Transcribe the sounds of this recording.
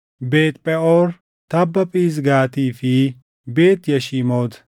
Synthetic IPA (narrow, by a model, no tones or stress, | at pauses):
beːt̪pʼɛoɾ | t̪ɐbːɐpʼiːzɡaːt̪iːfiː | beːt̪jɐʃiːmoːd̪